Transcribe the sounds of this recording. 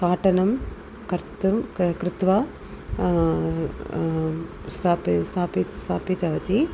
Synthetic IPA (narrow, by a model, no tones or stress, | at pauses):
kaːʈɐnɐm | kɐɾt̪ɐkɾɪt̪ʋaː | st̪ʰaːpst̪ʰaːpit̪st̪ʰaːpit̪ɐʋɐt̪i